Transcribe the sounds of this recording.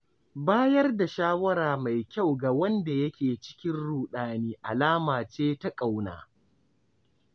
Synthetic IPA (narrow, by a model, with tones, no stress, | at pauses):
baː˦jɐ˦rda˨ʃaː˦wɐ˦ɾaː˨ma˨jkʲa˦˨wɡa˨wɐ˦nda˨jɐ˦kʲeː˨t͡ʃɪ̥˦kʲɪ˦nɽuː˨ɗaː˨niː˦ʔa˨laː˦maː˨t͡ʃeː˦ta˦kʼa˨wna̰ː˨